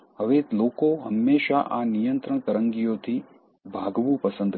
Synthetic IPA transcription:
ɦəʋet̪lokoɦəmːeʃaʔanijənt̪ɾəɳ̃kəɾəŋɡijot̪ʰi | bʱaɡʋũpəsə̃nd̪

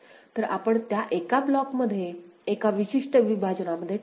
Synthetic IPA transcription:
t̪əɾapəɳt̪jaʔekablɔkməd̪ʱːjeːkaʋiɕiʂʈəʋibʱad͡ʑəɳaməd̪ʱːje

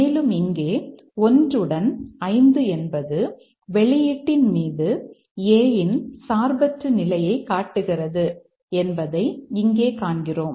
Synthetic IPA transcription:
eːlɯmɪŋɡeː | ɔndrɯɽɐnɐɪnd̪ɯɛnbɐðɯ | ʋɛɭɪjɪʈːɪnmiːðɯ | eːjɪnsaːɾbɐt̪ɾɯnɪlɐjɐɪkaːʈːɯɣɪrɐðɯ | ɛnbɐðɐɪɪŋɡeːkaːɳɡɪroːm

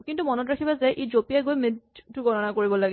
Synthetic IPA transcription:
kintumɔnɔtɹakʰibazɛʔezopijaɡojmedtʊɡɔnɔnakoɹibɔlaɡɛ

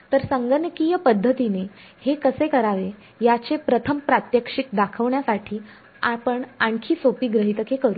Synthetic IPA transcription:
t̪əɾsəŋɡənəkijəpəd̪ʱːət̪ine | hekəsekəɾaʋe | jat͡sepɾət̪ʰəmpɾat̪jəkʂik̚d̪akʰəʋɳjasaʈʰiː | apəɳaɳkʰiːsopiːɡɾəɦit̪əkʰekəɾuː

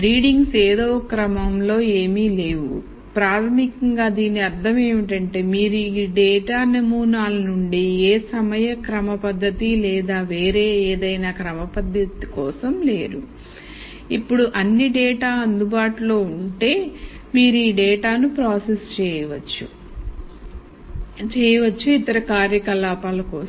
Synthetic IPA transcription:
ɾiːɖiŋɡseːd̪oːkɾɐmɐmlo̞ːe̞ːmiːle̞ːʋu | pɾaːt̪ʰɐmikɐŋɡaːd̪iːniɐɾd̪ʰʱɐme̞ːmiʈɐɳʈe̞ːmiːɾuiːɖɛːʈaːnemuːnaːlɐnuɳɖieːsɐmɐjɐkɾɐmɐpɐd̪ːɐt̪ilɛːd̪aːʋe̞ːɾe̞ːeːd̪ɐjnaːkɾɐmɐpɐd̪ːɐt̪ikɔːsɐmle̞̰ːɾu | ipːuɽuʔɐnːiɖɛːʈaːɐnd̪ubaːʈulo̞ːuɳʈe̞ː | miːɾuiːɖɛːʈaːnupɾaːsest͡ʃɛːjɐʋɐt͡ʃːu | t͡ʃɛːjɐʋɐt͡ʃːuit̪ɐɾɐkaːɾjɐkɐlaːpaːlɐkɔː

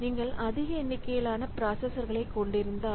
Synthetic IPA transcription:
niːŋɡɐɭʔɐðɪɣɐɛnːɪkːɐjɪlaːnɐpɾaːsɐsɐɾɣɐɭɐɪkːɔɳɖɪɾɯnd̪aː

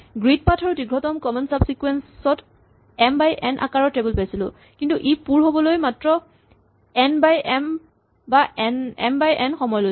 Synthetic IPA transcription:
ɡɹid̚patʰɔɹudiɡɹɔtɔmkɔmɔnsabsikwɛnssɔt | ɛmbajʔɛnʔa̰kaɹɔtɹebulpajsilʊ | kintuʔipuɹɦobɔlojmatɹɔ | ɛnbajɛm | baɛnɛ̰mbajʔɛnxɔmɔjlo

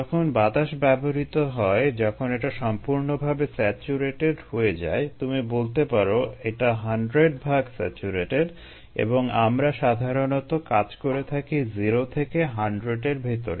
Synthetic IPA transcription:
ɔkʰonbat̪aʃbɛboɦit̪oɦɔed͡ʑɔkʰoneʈaʃɔmpuɾnobʱabesɛt͡ɕuɾeʈeɖhoed͡ʑa̰et̪umibolt̪epaɾoeʈaɦaɳɖɾeɖbʱaɡsɛ̰t͡ɕuɾeʈeɖ | ḛboŋamɾaʃad̪ʱaɾonot̪okad͡ʑkoɾet̪ʰakiziɾot̪ʰekeɦaɳɖɾeʈeɾbʱit̪o̰ɾe

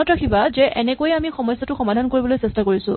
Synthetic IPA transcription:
ɔtɹakʰibazɛʔɛnɛkojamixɔmɔjsːatʊxɔmadʱankoɹibɔlojsɛstakoɹisʊ̰̃

